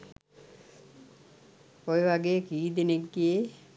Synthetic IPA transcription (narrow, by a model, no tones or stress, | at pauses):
oeʋaɡejekiːd̪eneɡːie